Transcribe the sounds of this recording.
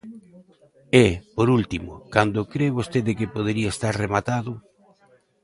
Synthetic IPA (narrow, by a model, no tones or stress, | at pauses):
epoɾult̪imʊ̰kand̪ʊkɾeβost̪eðekepoð̞eɾiaest̪aɾremat̪aðʊ